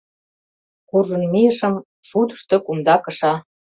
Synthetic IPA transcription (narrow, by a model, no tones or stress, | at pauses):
kurlunmiəʃə̆m | sud̪ə̥̆ʃt̪ŏkumd̪ɑkɤ̆ʃɑ